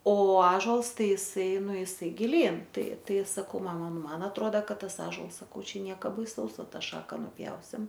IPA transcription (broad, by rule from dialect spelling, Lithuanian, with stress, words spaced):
oː ˈɑːʒoːlˠs ˈtɐɪ ɪˈsɐɪ ˈnʊ ɪˈsɐɪ ɡʲɪˈlʲiːn ˈtɐɪ ˈtɐɪ sɐˈkɐʊ ˈmɑːmɐ ˈnʊ ˈmɐn ɐtˈroːdɐ ˈkɐt ˈtɐs ˈɑːʒuɔlˠs sɐˈkɐʊ ˈt͡ʃʲɛ ˈnʲiɛkɐ bɐɪˈsɐʊs ˈʋɐ ˈtɑː ˈʃɑːkɐ nʊˈpʲjɛʊsʲɪm